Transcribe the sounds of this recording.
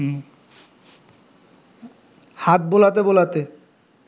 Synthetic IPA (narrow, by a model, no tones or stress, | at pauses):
hat̪̚bolat̪ebolat̪e